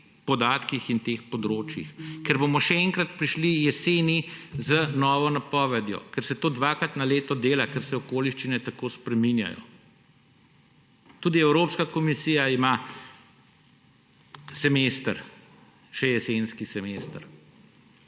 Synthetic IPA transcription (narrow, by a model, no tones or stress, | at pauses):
pɔd̪aːt̪kixint̪eːxpɔd̪ɾoːt͡ʃjḭxkɛɾbomɔʃɛɛŋkɾat̪pɾiʃlijɛseːnizənɔːʋɔnapɔːʋɛd̪jɔ̰kɛɾsɛt̪oːd̪ʋakɾat̪naleːt̪ɔd̪eːlakɛɾsɛɔkoːliʃt͡ʃinɛt̪akoːspɾɛminja̰jɔ̰ | t̪uːd̪iɛwɾoːpskakɔmisiːjaima | sɛmest̪əɾ | ʃɛjɛsenskisɛmest̪əɾ